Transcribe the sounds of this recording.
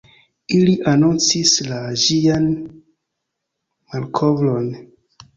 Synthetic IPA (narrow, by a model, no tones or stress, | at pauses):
iliʔanont͡sislad͡ʒian | malkʰovlon